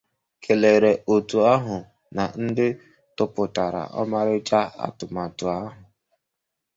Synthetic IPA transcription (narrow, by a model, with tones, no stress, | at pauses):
kʰe˨le˨ɾe˨ʔo˨tu˨a˦ɦʊ˨ | na˨n̩˦dɪ˦ | tʊ˦pʊ˨ta˨ɾa̰˨ʔɔ̰˦ma˦ɾɪ˦t͡ʃa˦a̰˨tʊ˨ma˨tʊ˨a˦ɦʊ˨